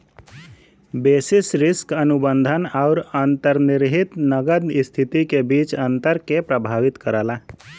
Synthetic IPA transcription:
beːsɪsɾɪskənʊbə̃nd̪ʱənaːɾənt̪əɾnɪɾɦɪt̪nəɡəd̪st̪ʰɪt̪ikebiːt͡ʃə̃nt̪əɾkepɾəbʱaːʋɪt̪kəɾaːlaː

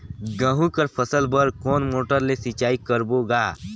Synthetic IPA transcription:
ɡə̃ɦũkəɾpʰəsəlbəɾkɔːnmoːʈəɾlesɪt͡ʃaːikəɾboɡaː

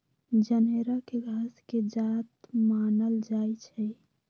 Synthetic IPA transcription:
d͡ʒəneɾakeɡʱasked͡ʒat̪manəld͡ʒajt͡ʃʰɛ

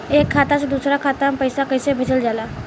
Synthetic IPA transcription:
eːkʰːaːt̪ased̪uːsɾakʰaːt̪apəɪsakəɪsebʱəd͡ʒəld͡ʒaːlaː

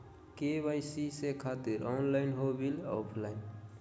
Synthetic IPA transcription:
kebajsisekʰat̪iɾɔnlaɪnɦobilɔ̰ːpʰlaɪn

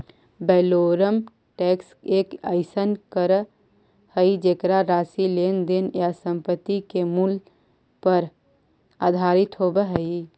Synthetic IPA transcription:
bɛloɾəm | ʈekseːkəɪsənkəɾ | həid͡ʒekɾaɾaːsilend̪enjasə̃mpət̪ːikemul | pəɾ | aːd̪ʱaːɾɪt̪ɦobeɦəi

